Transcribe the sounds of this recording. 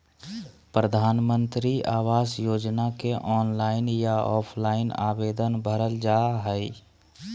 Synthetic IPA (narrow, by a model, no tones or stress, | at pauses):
pɾəd̪ʱaːnmə̃nt̪ɾiaːwaːsjoːd͡ʒnakeʔɔːnlaːɪnjaɔːpʰlaːɪna̰ːweːd̪ənbʱəɾəld͡ʒaːɦɛi